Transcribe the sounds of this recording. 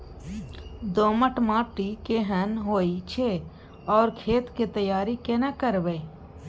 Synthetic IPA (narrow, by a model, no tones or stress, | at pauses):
d̪oːməʈmãːʈikeɦənɦoːit͡ʃʰe | ɔːɾkʰeːt̪ket̪əjaːɾikenakəɾbe